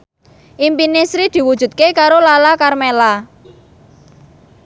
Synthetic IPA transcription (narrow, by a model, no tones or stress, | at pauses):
ʔimpinisɾid̪̥i̤wud̥ʒ̥ṳt̪̚kekaɾolalakarmela